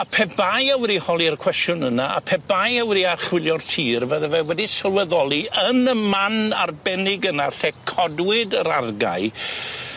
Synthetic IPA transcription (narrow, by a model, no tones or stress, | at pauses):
apʰɛbajawɾihɔlˠiarkʰw̥ɛstjʊnənaʔa̰pʰɛbajawɾiarχwɪlˠjɔrtʰiːrvɛðɛvɛwɛdisəlˠwɛðɔlˠiənəmmːanarbɛnɪɡənaɬɛkʰɔdwɪdəɾarɡa̰ɨ